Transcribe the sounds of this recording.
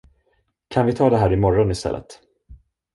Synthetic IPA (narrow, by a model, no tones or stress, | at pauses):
kʰanvɪt̪ʰɑːd̪ɛɦæːɾɪmɔɾɔnɪst̪ɛ̰lːə̰t̪